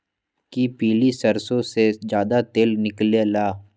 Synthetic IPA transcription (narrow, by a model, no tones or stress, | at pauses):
kipiːlisɐɾsõsed͡ʒjaːd̪at̪eːlnɪklelaː